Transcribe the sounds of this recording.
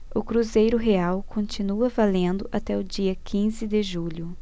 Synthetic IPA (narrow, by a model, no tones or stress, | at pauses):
ʊkɾuzejɾʊɦeawkʰõnt͡ʃinuɐvalẽnd̪ʊʔat̪ɛʊd͡ʒiɐkʰĩzɪd̪ɪʒuʎʊ